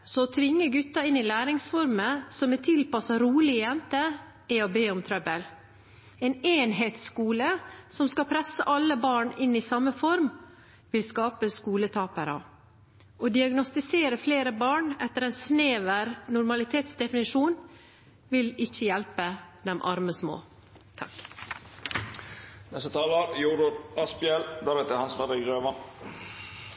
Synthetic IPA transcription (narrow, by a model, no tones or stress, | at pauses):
sɔɔt̪ʰʋɪŋːəɡʉt̪ːɑɪnːɪlæːɾɪŋsfɔɾməsɔmɛt̪ʰɪlpɑsəɾuːlɪəjɛnt̪ə | ɪɔbeːʊmt̪ʰɾɛbəl | ɛneːnɦeːt̪skuːləsɔmskɑpʰɾɛsːəʔɑlːəbɑːɳɪnːɪsɑmːəfɔɾm | ʋɪlskɑːpəskuːlət̪ʰɑːpəɾə̰ | ʔoːd̪ɪɑɡnɔst̪ɪseːɾəfleːɾəbɑːɳɛt̪əɾɛːnsneːʋəɾnʊɾmɑlɪt̪ʰeːt̪sd̪ɛfɪnɪʂuːn | ʋɪlɪçːəjælpəd̪ɛmʔɑ̰ɾməsmo̰ː | t̪ʰɑ̰k | nɛst̪ət̪ʰɑːləɾjuːɾʊɾɑspɪɛlb̪ɑːɾɛt̪ːəhɑnsʋɑːɾəɡɾøːʋɑn